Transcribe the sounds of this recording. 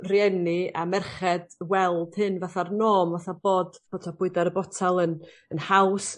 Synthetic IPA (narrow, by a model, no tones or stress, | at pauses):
rjɛnɪamɛrχɛd̥wɛlˠd̥hɨnvaθarnoːmvaθaboːd̥b̥otʰab̥ʊɨdaɾəbɔtʰalˠən | ənhaws